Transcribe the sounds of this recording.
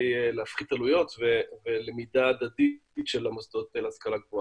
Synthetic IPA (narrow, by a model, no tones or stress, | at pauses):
jeleafχit̪alujo̞t̪vevelemid̪aːd̪ad̪itʃelamosd̪ot̪elaskalaɡvo